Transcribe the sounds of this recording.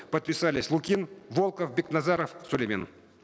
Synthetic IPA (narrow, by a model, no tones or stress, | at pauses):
pət̪̚pʲɪsalʲɪsʲlˠʊkʲinvolˠkəfbʲɪknazaɾəfsʊlʲemʲḛn